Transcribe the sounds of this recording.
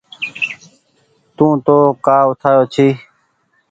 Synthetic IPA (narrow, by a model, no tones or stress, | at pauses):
t̪ũːt̪oːkaːʊt̪ʰaːjoːt͡ʃʰiː